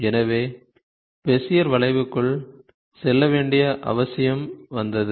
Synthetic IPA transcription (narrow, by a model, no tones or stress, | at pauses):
ɛnɐʋeː | pɛsɪjɐɾʋɐɭɐɪʋɯkːɯɭ | sɛlːɐʋeːɳɖɪjɐʔɐ̰ʋɐsɪjɐmʋɐnd̪ɐðɯ